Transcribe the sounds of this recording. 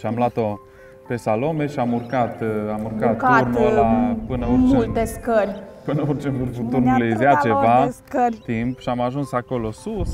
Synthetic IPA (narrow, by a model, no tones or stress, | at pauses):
ʃiamlat̪o | pe̞salo̞me̞ʃiamurkat̪amurkat̪̚t̪ːrnulapɨnəormult̪eskərʲpɨnəort͡ʃelurvut̪urnulezzeat͡ʃevaskərʲt̪impʃiamaʒunsako̞lo̞sus